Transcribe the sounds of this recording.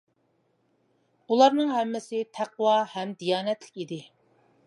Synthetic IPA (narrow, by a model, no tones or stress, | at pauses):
ulˠɑɾnɨŋɦɛmːɪsɪt̪ʰæqwɑhɛmd̪ijɑːnɛt̪lɪ̥kʲid̪ɪ